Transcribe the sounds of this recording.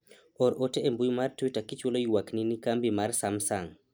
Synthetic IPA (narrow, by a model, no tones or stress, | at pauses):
ɔɾɔtɛʔɛmbujmaɾtujtakit͡ʃulɔjwakninikambimaɾsamsaŋ